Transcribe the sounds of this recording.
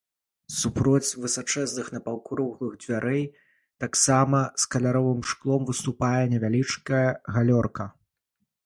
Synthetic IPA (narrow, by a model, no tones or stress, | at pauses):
supɾɔt͡sʲvɨsat͡ʂɛznɨxnɐpɐwkɾɔɣlˠɨɣd͡zʲvʲaɾʔɛj | t̪aksamɐskɐlʲaɾɔvɨmʂklˠɔmvɨst̪upajɛnʲɛvʲalʲit͡ʂkɐjɐɣalʲɔrkɐ